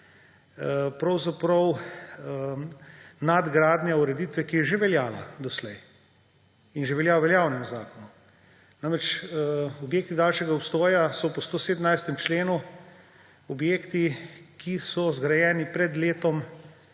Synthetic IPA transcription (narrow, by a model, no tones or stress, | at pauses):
pɾɐwzapɾɔw | nad̪ɡɾaːd̪njauɾɛd̪it̪ʋɛkijɛʒeʋɛljaːla̰d̪ɔslɛj | inʒeʋɛljaːwʋɛljaːwnɛmuza̰ːkɔnu | namɾɛt͡ʃ | objeːk̚t̪id̪aːlʃɛɡaɔpst̪ɔːjasɔpɔst̪oseːd̪ənajst̪ɛmt͡ʃleːnu | ɔbjeːkt̪ikʰisɔzɡɾajɛːnipɾɛd̪leːt̪ɔm